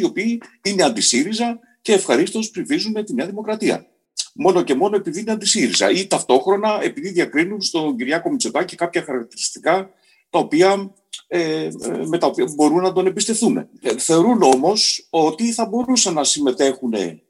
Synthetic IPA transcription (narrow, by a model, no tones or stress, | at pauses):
io̞piːine̞ɐnd̪isiɾizɐ | ce̞ːfxɐɾist̪eo̞spɾivizunet̪ineɐðimo̞kɾɐt̪iɐ̰ | mo̞no̞ce̞mo̞no̞e̞piðiine̞ɐnd̪isiɾḭzɐ̰it̪ɐft̪o̞xɾo̞nɐe̞piðiðʝɐkɾinunst̪o̞ɲɟiɾʝɐko̞mit͡sokɐce̞kɐpçɐxɐɾɐk̚t̪iɾist̪i̥kɐ | t̪ɐopiɐ | eme̞t̪ɐopiɐbo̞ɾunːɐd̪o̞nebist̪e̞fθune̞̰θe̞oɾuno̞mo̞so̞t̪iθɐbo̞ɾusɐnɐsime̞t̪e̞xune̞̰